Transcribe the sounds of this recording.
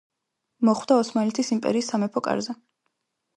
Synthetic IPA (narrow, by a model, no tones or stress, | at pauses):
mɔχwd̪aɔsmalɛt̪ʰisimpʼɛ̰ɾiːsːamɛpʰɔkʼa̰ɾzɛ